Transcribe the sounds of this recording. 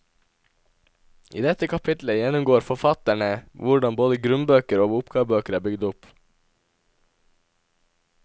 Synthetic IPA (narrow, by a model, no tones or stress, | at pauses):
ʔḭːd̪ɛt̪əkʰɑpʰɪt̪ləjɛnʊmɡoːɾfɔfɑt̪æɳəʋʊɖɑnboːd̪əɡɾʉnbøːkəɾoːʋʊpɡɑːʋbøːkəɾæːbʏɡd̪ʊp